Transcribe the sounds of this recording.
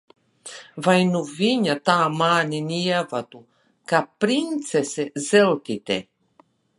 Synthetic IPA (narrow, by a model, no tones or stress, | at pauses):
vajnuviɲat̪aːmaːninijavat̪u | kapɾint̪sesɛzelt̪it̪ɛ̰